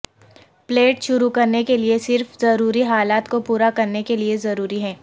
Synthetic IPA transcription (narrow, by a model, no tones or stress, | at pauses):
pleːʈʃʊɾukɐɾnekeliesɪɾfzɐɾuːɾiɦaːlaːt̪kopuːɾakɐɾnekeliezɐɾuːɾiɦɛ̃ː